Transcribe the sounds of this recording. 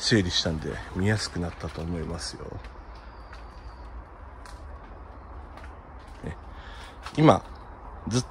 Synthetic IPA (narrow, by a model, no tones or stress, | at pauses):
seːɾʲiɕi̥t̪ãnd̪e̞̰mʲijasɨ̥kɯ̟nat̪ːat̪o̞ːmo̞imasɨjo̞̰ | e | ima̰ | d͡zɨt̪ː